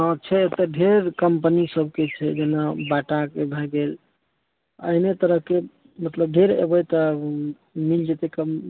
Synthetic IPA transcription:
ə̃t͡ʃʰɛet̪əɖʱeɾkəmpənisəbʱket͡ʃʰɛd͡ʒenabaʈakebʱɛɡel | ə̰inet̪əɾəɦke | mət̪ləb̚ɖʱeɾḛbəjt̪ɔ | mild͡ʒet̪ekə

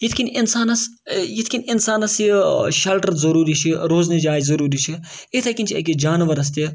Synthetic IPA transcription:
jit̪ʰkininsaːnɐs | jit̪ʰkininsaːnɐsiʃɐlʈəɾzɐɾuːɾit͡ʃʰiɾoːznid͡ʒaːjzɐɾuːɾit͡ʃʰi | it̪ʰɐkʲinʲt͡ʃʰɐ̰k̬ʲid͡ʒaːnʋɐɾɐs̬t̪i

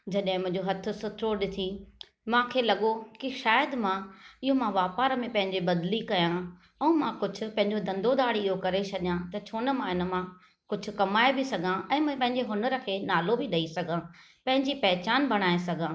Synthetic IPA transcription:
d͡ʑɐɗɦɪ̃mʊ̃ɦɪ̃ɲd͡ʑoɦɐt̪ʰʊ̆sʊt̪ʰɾoːɗɪt̪ʰĩ | mãkʰeːlɐɠokɪʃaːjɪəd̪mãɪɦomãʋaːpaːɾəmẽpɐ̃ɦɪ̃ɲd͡ʑibɐd̪likɐjã | ɛ̃ũːmãkʊd͡ʑʱʊ̆pɐ̃ɦɪ̃ɲd͡ʑod̪ʱɐ̃nd̪od̪aːɽiɪɦokɐɾet͡ɕʰɐɗijãt̪ɐt͡ɕʰoːnə̆mãɪnə̆mã | kʊd͡ʑʱʊ̆kɐmaːebɪsɐɡʱãʔɛ̃ːmɐ̃pɐ̃ɦɪ̃ɲd͡ʑeɦʊnəɾəkʰeːnaːlobɪɗɐisɐɡʱã | pɐ̃ɦɪ̃ɲd͡ʑipɐɦɪt͡ɕaːnbʱɐɽ̃aːesɐɡʱãː

